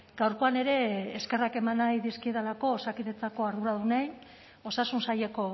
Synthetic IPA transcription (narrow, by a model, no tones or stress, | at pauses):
ɡ̥awɾko̞ane̞ɾe̞ːske̞rake̞manajðiskieðalako̞ːsakiðet͡sako̞aɾðuɾaðunaj | o̞sasunsaʎe̞ko̞